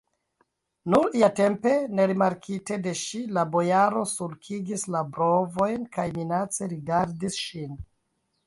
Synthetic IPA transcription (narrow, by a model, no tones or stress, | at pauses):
nuɾiate̞mpe̞ne̞ɾimaɾkʰite̞de̞ʃilabo̞jaɾo̞sulkʰiɡislabɾo̞vo̞jnkajminat͡se̞ɾiɡaɾdisʃin